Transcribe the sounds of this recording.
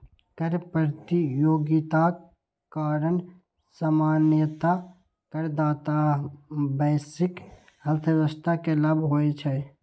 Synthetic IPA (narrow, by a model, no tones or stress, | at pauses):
kəɾpəɾt̪ijoːɡɪt̪a | kaːɾən | samaːnjət̪a | kəɾd̪aːt̪a | bɛːsɪk | ɦəlt̪ʰəɾəʃt̪akeləbʱɦoːet͡ʃʰɛ